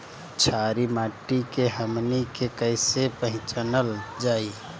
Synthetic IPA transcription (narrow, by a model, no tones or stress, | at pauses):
t͡ʃʰaɾimaːʈːikeɦəmnikekəɪsepə̃ɦɪ̃t͡ʃənəld͡ʒaːi